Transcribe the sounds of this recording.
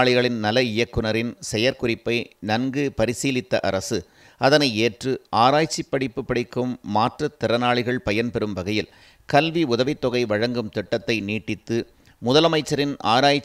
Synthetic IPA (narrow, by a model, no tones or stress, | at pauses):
ɭɪɣɐɭɪnnɐlɐɪjɐkːɯnɐɾɪnsɛjɐɾkʊrɪpːɐɪnɐnɡɯpɐɾɪsiːlɪt̪ːɐ̰ʔɐɾɐsɯ | ɐðɐnɐɪeːʈrɯaːɾaːjt͡ʃːipːɐɽɪpːɯpːɐɽɪkːɯmːaːʈrɐt̪ːɪɾɐnaːɭɪɣɐɭpɐjɐnpɛɾɯmʋɐɣɐjɪl | kɐlʋiʊðɐʋɪt̪ːɔɣɐɪʋɐɻɐŋɡɯmt̪ɪʈːɐt̪ːɐɪniːʈːɪt̪ːɯ | mʊðɐlɐmɐɪt͡ʃːɐɾɪna̰ːɾaːjt͡ʃ